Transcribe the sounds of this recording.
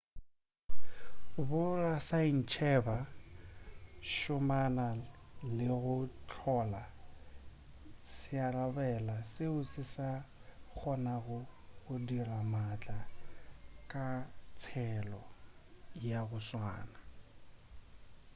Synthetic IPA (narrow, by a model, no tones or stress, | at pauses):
bʊrasain̩t͡ʃʰɛba | ʃʊmanalɪɣʊt͡ɬʰɔla | sɪarabɛlasɪʊsɪsak͡xʰɔnaɣʊɣʊdiramat͡ɬʼa | kʼat͡sʰɛlɔ | jaɣʊswa̰ːna